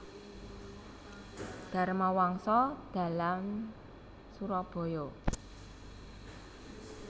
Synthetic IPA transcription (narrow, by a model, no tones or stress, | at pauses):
d̪̥a̤ɾmawaŋsɔd̪̥a̤lam | suɾɔb̥o̤jɔ